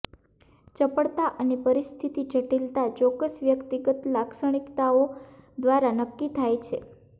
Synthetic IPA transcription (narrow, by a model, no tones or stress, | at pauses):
t͡ʃəpəɭt̪aʔənepəɾist̪ʰit̪it͡ʃəʈilt̪at͡ʃɔkəsʋjəkt̪iɡət̪laksəɳ̃ikt̪aod̪ʋaɾanəkːit̪ʰajt͡ʃʰe